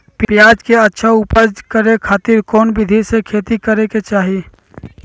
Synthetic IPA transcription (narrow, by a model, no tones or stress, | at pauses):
pjaːd͡ʒkeətːʃʰaʊpəd͡ʒkəɾekʰaːt̪iɾkɔːnbʱɪd̪ʱisekʰeːt̪ikəɾeket͡ʃaːɦi